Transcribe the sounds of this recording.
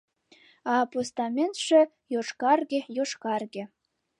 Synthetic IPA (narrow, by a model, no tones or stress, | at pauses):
ɑpost̪ɑmʲent̪ʂɘ̆ | joʂkɑrɡʲejoʂkɑrɡʲĕ